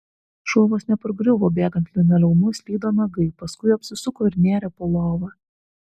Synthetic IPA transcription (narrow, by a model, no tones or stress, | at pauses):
ʃuɔʋoːsnʲɛpɐɾɡɾʲʊʋoːbʲeːɡɐnʲt̪ʲlʲɪnʲɐlʲɛʊnʊsʲlʲiːd̪oːnɐɡɐɪpɐskʊɪɐpʲsʲɪsʊkoːɪɾʲnʲeːɾʲɛpoːlˠoːʋɐ